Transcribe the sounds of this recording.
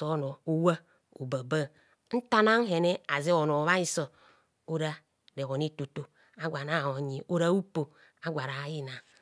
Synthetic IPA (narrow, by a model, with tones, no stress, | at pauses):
o˨˦no˨o˨wa˦ | o̰˨ba˨ba˦ | n̩˦ta˦na˦n̩˦ɦe˨ne˦a˨zi˦o˨no˨βa˦i˦so˦ | o˦ɾa˦ | ɾe˨ɣo˨n˦i˦tu˨to˨ | a˦ɡʷa˨na˦˨o˨ɲi˨o˦ɾa˦u˦po˨ | a˦ɡʷa˨ɾa˨ji˦na˨